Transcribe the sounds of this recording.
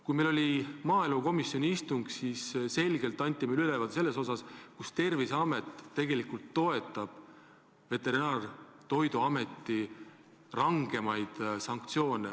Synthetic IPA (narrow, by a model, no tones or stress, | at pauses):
kujmejlo̞lʲimɑːeluko̞misːjonʲiist̪uŋɡ̥sisse̞lɡ̥e̞lt̪ːˑɑnʲt̪ːˑimelylevɑd̪se̞lːe̞so̞sɑskust̪e̞rviseɑme̞t̪ːe̞ɡ̥e̞likult̪ːo̞e̞t̪ːˑɑb̥ | ve̞t̪ːe̞ɾinɑːr | t̪o̞jd̪uɑme̞t̪ːˑi | rɑŋɡ̥e̞mɑjd̪̥sɑŋk̚t̪sio̞ːne